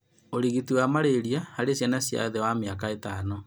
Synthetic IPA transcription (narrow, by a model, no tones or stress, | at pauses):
oɾiɣitiwamaɾeɾiahaɾesjanasja̰ðewameakaetaːno